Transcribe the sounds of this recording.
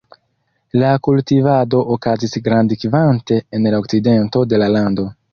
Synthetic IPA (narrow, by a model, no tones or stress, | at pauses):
lakultivado̞ʔokazisɡɾandikvante̞enlaokside̞nto̞de̞lalando̞